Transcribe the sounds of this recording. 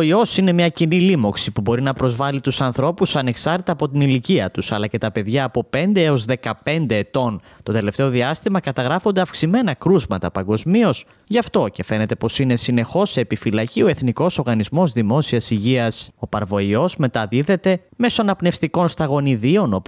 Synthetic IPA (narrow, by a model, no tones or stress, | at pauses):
io̞sine̞mɲɐcinilimo̞ksipubo̞ɾinɐpɾo̞zvɐlit̪usɐnθɾo̞pusɐne̞ksɐɾt̪it̪ɐːpo̞t̪iniliciɐt̪usɐlɐce̞t̪ɐpe̞ðʝɐːpo̞pe̞nd̪eeo̞zðe̞kɐpe̞nd̪e̞ːt̪o̞n | t̪o̞t̪ele̞ft̪e̞o̞ðiɐst̪imɐkɐt̪ɐɣɾɐfo̞nd̪eɐfksime̞nɐkɾuzmɐt̪ɐpɐŋɡo̞zmio̞s | ʝɐft̪o̞ce̞fe̞ne̞t̪e̞po̞sine̞sine̞xo̞seːpifilɐcio̞e̞θniko̞so̞ɾɣɐnizmo̞zðimo̞siɐsiʝiɐso̞pɐɾvo̞io̞zme̞t̪ɐðiðe̞t̪e̞me̞so̞ɐnɐpne̞fst̪iko̞nst̪ɐɣo̞niðio̞no̞p